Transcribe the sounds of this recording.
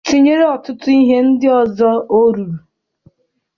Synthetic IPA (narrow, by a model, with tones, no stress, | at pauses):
ti˦ɲe˦ɾe˦ɔ˨tʊ˦tʊ˦i˦ɦe˦n̩˦dɪ˦ɔ˨zɔ˦o˦ɾu˨